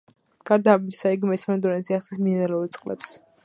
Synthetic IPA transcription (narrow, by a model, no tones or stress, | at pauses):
ɡ̥aɾd̪aːbisaiɡmɛsmɛnd̪ɔnɛnziasɛsminɛɾɛuɾit̪sʼqʼlɛ̰ps